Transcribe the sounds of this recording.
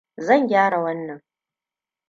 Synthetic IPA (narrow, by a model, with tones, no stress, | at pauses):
zɐ˦˨ŋɡʲaː˦ɽa˨wɐ˦nːɐ˨ŋ